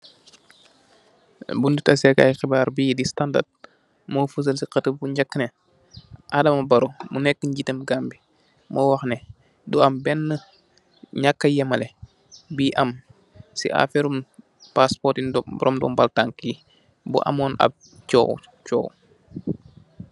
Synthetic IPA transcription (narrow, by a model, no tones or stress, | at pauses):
bundutɐsɛka̰jxibaːɾbiːdistanda̰rd̚ | moːfəs̬əlsiqɐtəbuɲɟɐkːənɛ | ʔadɐmɐbɐɾumunɛkːəɲɟitɐmɡambi | mɔwɐxnɛ | duɐmbɛnːə | ɲakːɐjɛmɐlɛ | biːʔɐm | sḭʔa̰fɛɾum | paspɔtinbɾɔmdɔ̰ːmbaltaŋkːi | bṵʔɐ̰mɔːnɐ̰b̚ | t͡ʃɔ̰ːw | t͡ʃɔ̰ːw